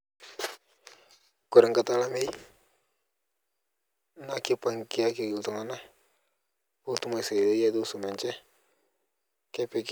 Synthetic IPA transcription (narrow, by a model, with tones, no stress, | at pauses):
ku˨ɾɛ˨ŋ˨ka˨ta˦la˦me˦j | na˦ki˦pa˨ŋ˨ki˨˦a˦ki˨ɡi˨ltu˨ŋa˦na˦ | u˦tu˦ma˨jsa˨da˦ja˦do˦su˨mɛ˨nt͡ʃɛ˦ | kɛ˦pɛ˨k